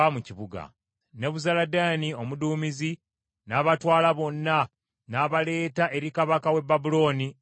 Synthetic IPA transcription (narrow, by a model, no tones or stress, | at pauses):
amuciβuɡa̰ | ne̞βuzaladaːnio̞muduːmizi | naːβatwaːlaβo̞nːa | naːβale̞ːtaʔe̞ɾikaβakawe̞bːabulo̞ːni